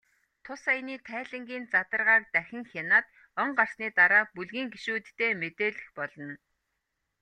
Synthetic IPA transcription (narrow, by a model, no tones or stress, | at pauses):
t̪ʰʊsajniːt̪ʰæːɮɘ̆ŋɡʲiːnt͡sat̪ə̆rʁaːk̚t̪æxʲɪ̆ŋxʲanaːt̪ | ɔɴɢar̥sniːt̪aɾaːpuɮɣiːŋɡiʃuːt̪ːeːmet̪eːɮɘ̆xpɔɮɞ̆n